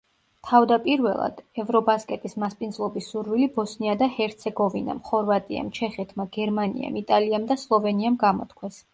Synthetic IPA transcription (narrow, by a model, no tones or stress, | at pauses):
t̪ʰavd̪apʼiɾvɛlˠa̰d̪̥ɛvɾɔbaskʼɛt̪ʼismaspʼind̪zlˠɔbisːuɾvilibɔsniad̪ahɛɾt̪sʰɛɡɔvina̰mχɔɾvat̪ʼḭa̰mt͡ʃʰɛχɛt̪ʰmaɡɛɾmanḭa̰mit̪ʼaliamd̪aslˠɔvɛniamɡamɔ̰t̪kʰwɛs